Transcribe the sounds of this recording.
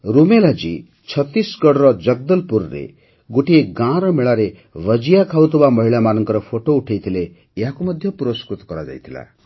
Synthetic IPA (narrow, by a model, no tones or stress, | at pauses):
ɾumelad͡ʒi | t͡ʃʰʌt̪ːisɡɔɽɾɔd͡ʒʌɡ̚d̪ɔlpuɾɾḛ | ɡoʈieɡãɾɔmeɭaɾe | ʋəd͡ʒijakʰawt̪ʰubamɔɦiɭamanɔŋkɔɾɔpʰoʈouʈʰejt̪ʰileː | ɦakumɔd̪ʱjɔpuɾɔskɾut̪ɔ̥kɔɾad͡ʒa̰jt̪ʰila̰